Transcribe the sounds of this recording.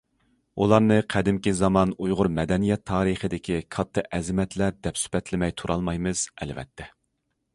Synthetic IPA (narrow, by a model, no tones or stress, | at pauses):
ulˠɑɾnɨqʰæd̪ɪmkʲizɑmɑnujʁʊɾmɛd̪ɛnijɛt̪ʰːɑːɾɨχəd̪ɪkʲʰikʰɑt̪ʰːɨʔɛzɪmɛt̪ʰlæɾd̪ɛpsy̥pɛt̪lɪmɛjt̪ʰuɾʔɑlˠmɑjmɨz̥ɛ̰lvɛ̰t̪ʰːɛ